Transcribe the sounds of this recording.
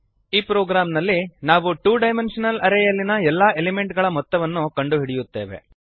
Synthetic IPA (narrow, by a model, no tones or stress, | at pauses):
iːpɾoːɡɾaːmnɐlːinaːʋuʈuːɖɐjmenʂɐnɐlɐɾejɐlːinɐɛlːaːeleme̞ɳʈɡɐɭɐmɔt̪ːɐʋɐnːukɐɳɖuɦiɽijut̪ːe̞ːʋe̞̰